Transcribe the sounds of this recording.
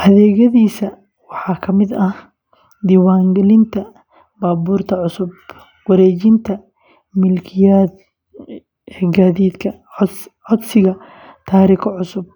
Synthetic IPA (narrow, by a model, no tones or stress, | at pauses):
ʔɐðɛːɣɐðiːsɐ | wɑħɑːkʰɐmɪd̪ɐh | d̪iːwaːŋɡɛlɪnt̪ʰɐ | baːbuːrt̪ʰɐʕʊsʊb | wɐɾɛːt͡ʃɪnt̪ʰɐ | mɪlkʰɪjaːd̪ | ɛːɡaːðiːd̪kʰɐ | ʕɔd̪sɪɣɐ | t̪ʰaːɾiːkʰʕʊsʊb̚